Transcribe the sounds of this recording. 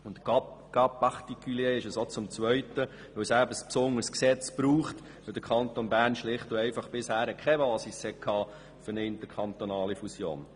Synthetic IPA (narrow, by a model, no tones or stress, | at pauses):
ʊntɡ̥ɑpːɑχt̪ikylieːɪʃəsot͡sʊmt͡sʋœʏtə | ʋɵwsæbəspsʊnːəɾsksɛt͡sb̥ɾuːχt | ʋɵld̥̪əɾkʰɑnt̪onbæːrnʃlɪχtʊɛɪfɑχb̥ɪshæːɾəkʰχɛbɑːsishɛkʰhɑː | fʏɾnəɪntəɾkʰɑnt̪onɑːlifusjo̰ːn